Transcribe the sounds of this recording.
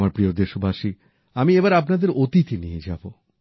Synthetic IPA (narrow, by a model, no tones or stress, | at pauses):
maɾpɾiod̪eʃobʱaʃi | amiebaɾapnad̪eɾot̪it̪inijed͡ʑabo